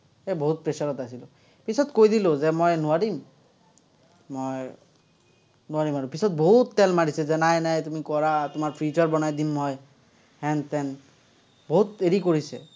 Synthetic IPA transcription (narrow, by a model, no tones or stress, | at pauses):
ɛboɦut̪̚pɹesɔɹɔt̪asilo | pisɔt̪kojd̪ilozɛmɔjnuaɾim | mɔj | nuaɾimaɹupisɔt̪̚boɦut̪ːɛlmaɽisɛzɛnajnajt̪umikɔɹat̪umaɹpʰit͡ʃɔɹbɔnajd̪inɦɔj | hɛnt̪ɛn | boɦut̪eɾikoɹisɛ̰